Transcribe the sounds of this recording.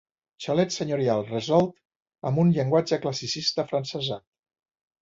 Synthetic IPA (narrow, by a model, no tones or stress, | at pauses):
t͡ʃəlɛt̪səɲuɾialˠrəzɔlˠt̪ | ə̰mbunʎəŋɡwad͡ʒəkləsisist̪əfɾənsəzat̪̚